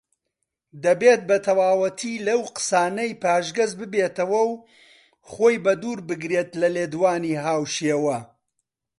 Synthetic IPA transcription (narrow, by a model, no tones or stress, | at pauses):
d̪ɐbeːt̪̚bɐt̪ʰɐwaːwɐt̪ʰiːlɐwqɨ̥saːnɐjpaːʒɡɐzbɨbeːt̪ɐwɐw | χoːjbɐd̪uːɾbɨɡɾeːt̪lɐleːd̪waːniːɦaːwʃeːwɐ